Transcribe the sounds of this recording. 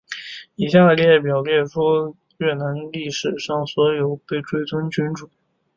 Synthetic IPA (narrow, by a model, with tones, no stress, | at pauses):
i˨˩ɕja˥˧˥lp̬jɑ˨˩ʊljɛ˥˩nʂʰwɔ˥ | ɥɛ˥˩na˧˥nli˥˩ʂɻ̩˨˩ʂɑ˥˩ŋswɔ˧˥jo˨˩ʊpe˥˩ɪʈ͡ʂwe˥ɪt͡swʊ˥ŋt͡ɕy˧˥nʈ͡ʂu˨˩˦